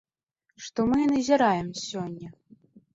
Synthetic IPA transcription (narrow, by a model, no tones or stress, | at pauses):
ʂt̪ɔmɨnɨzʲɐɾajɛmsʲɔnʲːɛ